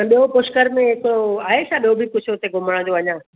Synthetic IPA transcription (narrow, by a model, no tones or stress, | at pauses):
ə̃ɓijopʊʃkəɾmẽɦɪkoaːɦesaɓiobʱikʊd͡ʑʱʰɦʊt̪eɡʊməɽ̃ə̃d͡ʑoɐɲãː